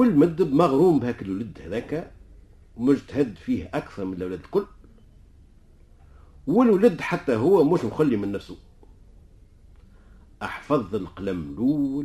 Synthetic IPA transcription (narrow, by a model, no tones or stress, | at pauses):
ɪlːmæd̪ːəbmɑɣɾuːmbhæːkɪlwlɪd̪hædðɛːkæ | mʊʃt̪hæd̪ːfiːhʔækθɑɾˤmɪnəlʔæwlæːd̪əlkʊlː | wɪlwlɪd̪ħat̪ːæɦʊwːæmuːʃmxʊlːimɪnːæfsu | ʔɑħfɑðˤəlqlæmluː